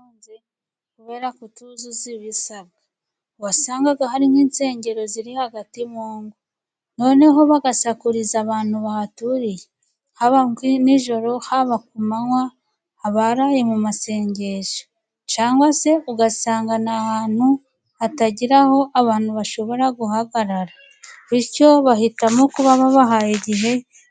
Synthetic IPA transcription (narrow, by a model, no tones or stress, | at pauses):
onze | kuβe̞ːɾakutuzuziβisaβ̚ɡa | wasaːŋɡaɡahaɾimiːnse̞ːɲɟe̞ɾo̞ziɾihaɡatimoːŋɡu | no̞ne̞ɦo̞βaɡasakuɾizaβaːn̥huβahatuɾije | haβaniʒo̞ɾo̞haβak̚umanwaː | βaɾaːje̞mumase̞ːɲɟe̞ʒḁ | t͡ʃaːŋɡwase̞uɡasaːŋɡanahaːn̥hu | ataɟiɾaho̞ʔaβaːn̥huβaʃo̞βo̞ɾaɡuhaɡaɾaɾa | iɾco̞βahitamo̞kuβaβaβaɦajiɟiɦe̞